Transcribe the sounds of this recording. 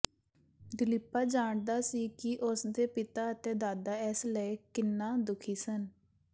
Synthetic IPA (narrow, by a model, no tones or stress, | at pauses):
d̪ɪlɪpːaːd͡ʒaːɳd̪aːsiːkɪʔʊsd̪eːpɪt̪aːət̪eːd̪aːd̪aːɛsləekɪnːaːd̪ʊkʰiːsən